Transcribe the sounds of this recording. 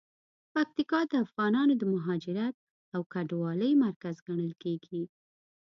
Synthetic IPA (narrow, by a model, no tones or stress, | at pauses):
pak̚t̪ikɑd̪əafɣɑnɑnod̪əmaɦɑd͡ʒɪɾat̪̚ | awkaɖwɑləjmaɾkazɡaɽ̃əlkeɡi